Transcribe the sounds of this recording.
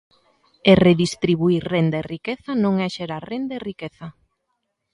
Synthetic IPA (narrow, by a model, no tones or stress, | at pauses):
ereðist̪ɾiβuiɾrend̪aerikeθɐnõŋɛʃeɾaɾrend̪ɐerikeθɐ